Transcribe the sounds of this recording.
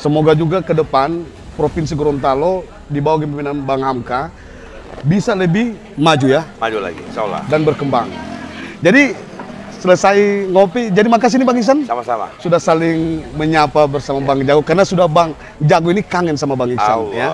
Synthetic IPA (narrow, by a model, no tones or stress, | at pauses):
səmoɡad͡ʒuɡakədəpan | pɾopins̬iɡɾɔnt̪alo | dibawaɡəmpiminanbaŋɦamka | bisaləbɪh | mad͡ʒujamad͡ʒula̰ɡḭsla̰danbərkəmbaŋd͡ʒadi | sələsaiŋopid͡ʒadimak̬as̬inibaŋis̬ansamasama̰sudahsalɪŋməɲapabərsamabaŋd͡ʒaɡukarnasudahbaŋ | d͡ʒaɡuinikaŋənsamabaŋisa̰nja